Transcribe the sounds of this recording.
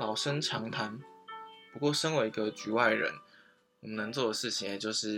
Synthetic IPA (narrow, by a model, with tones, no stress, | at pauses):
lɑ˨˩ʊʂə˦nʈ͡ʂʰɑ˧˦˥ŋt̪ʰa˧˥npu˧˥kwɔ˥˨ʂə˥nwe˧˥ɪi˧ɡə˧t͡ɕy˨˥wa˥˩ɪɻə̰˧˦n | wɔ˨˩mə˦nə˧˦ŋt͡swɔ˥˩d̪ə˩ʂɻ̩˥˩t͡ɕʰi˨˦ŋje˨˩t͡ɕjo˥˧ʊʂɻ̩˥˩